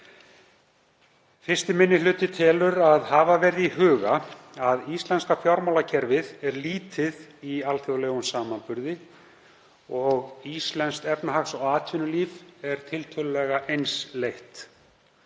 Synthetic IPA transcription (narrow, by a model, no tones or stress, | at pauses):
fɪr̥st̪ɪmɪnːɪlʏːt̪ɪt̪ʰɪlʏɾaðhavavɛɾðiɦʏːɣa | aðist̪lɛnskafjawɾmawlacʰɛɾvɪðɛɾliːt̪ɪðialθjiɣleːɣʏnsaːmanpʏɾðɪ | ɔɣist̪lɛnst̪ɛpnaɦaxsɔɣaːt̪ʰvɪnʏliːvɛɾ̥t̪ʰɪlt̪ʰœːlʏlɛɣaʔejnslejht̪